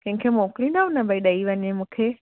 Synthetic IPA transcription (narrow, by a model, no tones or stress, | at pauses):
kɛ̃ɪ̃kʰemõklinaʋũnɐbəiɗəiʋəɲemũːkʰe